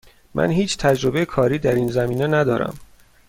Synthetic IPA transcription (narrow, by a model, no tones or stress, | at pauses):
mʔæ̰nɦiːt͡ʃʰt̪ʰæd͡ʒɾo̞bejekʰɒːɾiːd̪æɾiːnzæmiːnenæd̪ɒːɾæ̰m